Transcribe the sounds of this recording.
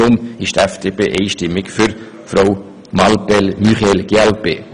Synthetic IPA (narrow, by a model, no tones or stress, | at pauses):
ʊmɪʃtɛfd̥eːpeːʔeɪʃtɪmːɪkfʏɾ | fraw | mɑlpɛlmyχɛlɡ̥eælpḛː